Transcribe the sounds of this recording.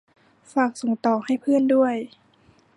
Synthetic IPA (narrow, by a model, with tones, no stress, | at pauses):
faː˨˩k̚so˨˩˦ŋt̪ɔː˨˩˦ha˥˩jpʰɯ˥˨əndu˥˩əj